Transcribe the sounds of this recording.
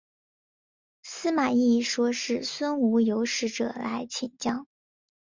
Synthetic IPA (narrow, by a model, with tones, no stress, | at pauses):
sɹ̩˥ma˨˩i˥˩ʂwɔ˥ʂɻ̩˥˩swə˥nu˧˥jo˧˥ʊʂɻ̩˥˩ʈ͡ʂɤ̰˨˩la̰˧˥ɪt͡ɕʰi˨˩nt͡ɕjɑ˥ŋ